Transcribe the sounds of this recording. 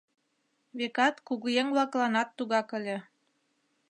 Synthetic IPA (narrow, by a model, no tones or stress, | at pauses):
βekɑt̪kuɣujeŋblɑklˠɑnɑt̪ːuɣɑkə̆lʲĕ